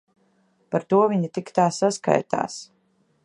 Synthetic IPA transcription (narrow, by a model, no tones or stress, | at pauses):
paɾt̪uɔviɲit̪ikt̪aːsaska̰jt̪a̰ːs